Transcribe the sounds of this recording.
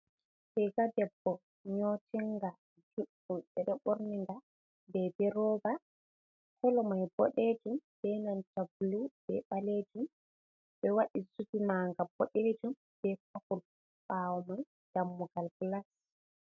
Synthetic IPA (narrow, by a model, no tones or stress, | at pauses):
sɛjɡadɛbːɔ | ɲotiŋɡa | d͡ʒuɗːumɗɛɗɛɓoɾniŋɡa | bɛbɛɾɔːba | kɔlɔmajbɔ̰ɗed͡ʒumb̥ɛnantablub̥ɛ̰ɓaled͡ʒum | ɓɛwaɗisukimaŋɡab̥ɔɗed͡ʒum | b̥ɛk̚akul | ɓawɔmaj | ɡ̥amːuɡalblas